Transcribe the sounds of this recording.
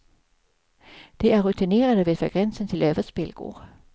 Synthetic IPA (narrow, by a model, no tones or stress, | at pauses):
d̥e̝æɐʁut͡sʰine̝̰ːɐdəʋe̝æd̥fʰæɡ̥ʁɛnsənt͡sʰe̝lœʋɐsb̥elɡ̥o̰ː